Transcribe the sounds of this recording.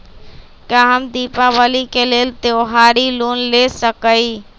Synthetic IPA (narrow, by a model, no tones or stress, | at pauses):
kaɦəmd̪iːpaʋəlikeleːlt̪oːɦaːɾiluːnlesəkəi